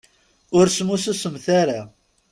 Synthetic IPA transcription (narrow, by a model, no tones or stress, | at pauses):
ʊɾsmususəmθaɾa